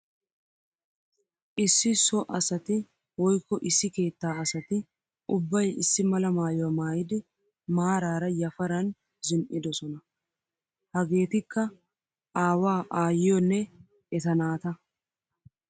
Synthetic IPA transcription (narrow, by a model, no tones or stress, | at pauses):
ʔɪsːɪsɔʔɐsɐt̪ɪ | wɔjkːɔʔɪsːɪke̞ːt̪ːaːɐsɐt̪ɪ | ʔʊbːɐjɪsːɪmɐlɐmaːjʊwɐmaːjɪd̪ɪ | maːɾaːɾɐjɐfɐɾɐn | zɪnʔɪd̪ɔsɔnɐ | hɐɡe̞ːt̪ɪkːɐ | ʔaːwaːʔaːjɪjɔnːɛ | ʔɛt̪ɐnaːt̪ɐ